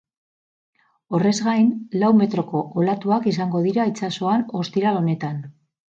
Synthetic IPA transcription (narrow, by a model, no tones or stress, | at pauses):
o̞re̞zɣajnlawme̞t̪ɾo̞ko̞ʔolat̪uakisaŋɡo̞ð̞iɾait͡saso̞ano̞st̪iɾalo̞ne̞t̪an